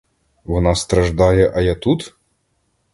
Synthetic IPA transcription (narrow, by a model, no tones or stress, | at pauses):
ʋɔnɑst̪ɾɐʒd̪ɑjɛʔɐjat̪ut̪